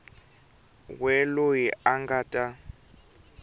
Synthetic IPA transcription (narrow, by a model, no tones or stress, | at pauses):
wɛlojiaŋɡatʼa